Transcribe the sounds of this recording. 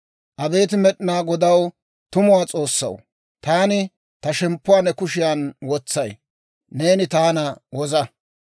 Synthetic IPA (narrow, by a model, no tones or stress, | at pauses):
ʔɐbe̞ːt̪ɪmɛɗɪnaːɡɔd̪ɐw | t̪ʊmʊwaːt͡sʼo̞ːsːɐ̰w | t̪aːnɪ | t̪ɐʃɛmpːʊwaːnɛkʊʃɪjanwɔt͡sːɐj | ne̞ːnɪt̪aːnɐwɔzɐ